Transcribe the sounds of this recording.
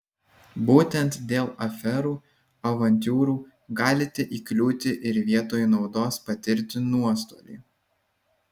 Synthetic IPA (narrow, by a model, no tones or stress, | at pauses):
buːt̪ʲɛnt̪d̪ʲeːlˠɐfʲɛɾuː | ɐʋɐnʲt̪ʲuːɾuː | ɡɑːlʲɪt̪ʲɛʔiːklʲuːt̪ʲɪʔɪɾʋʲiɛt̪oːjnɒʊd̪oːspɐt̪ʲɪɾʲt̪ʲɪnuɔst̪o̰ːlʲḭː